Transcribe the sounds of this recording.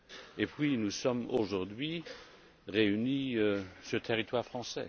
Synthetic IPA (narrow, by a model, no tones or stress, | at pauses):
epɥinusɔmoʒuʁd̪ɥi | ʁeyniøsət̪ʰeʁit̪waʁfχɑ̃sɛ̰